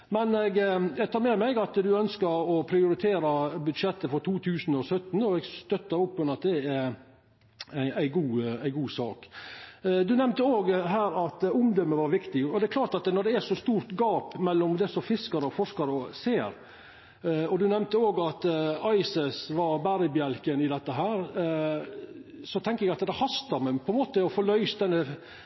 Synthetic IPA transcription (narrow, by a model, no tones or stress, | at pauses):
mɛnɛɡjæɡt̪ʰɑːɾmɛmæɪɡɑt̪d̪ʉœnskəɾɔpʰɾɪʊɾɪt̪ʰeːɾɑbʉd̪ʂɛt̪ːəfɔɾt̪ʰuːt̪ʰʉːsənɔsœt̪ːnɔɛɡst̪œt̪ːəɾʊpːʉnɑt̪̚d̪ɛæ | æɪæɪɡuːæɪɡuːsɑːk | d̪ʉnɛmnt̪əoːɡɦæːɾɑt̪ʊmd̪œmːəʋɑɾʋɪkt̪ɪɡɔd̪ɛɛɾklɑːʈ̪ɑt̪nɔɖ̪ɛæʂɔst̪uːɾt̪ɡɑːpmɛlːɔmd̪ɛsɔfɪskɑɾəɔfɔʂkɑɾəseːɾ | ɔd̪ʉnɛmnt̪əoːɡɑt̪ɑɪsəsʋɑɾbæɾəbjɛlkənɪd̪ɛt̪ːəɦæːɾ | sɔt̪ʰɛŋkəɛɡɑt̪d̪ɛhɑst̪ɑɾmɛpʰɔɛnmoːt̪əɔfolœʏsd̪ɛnːə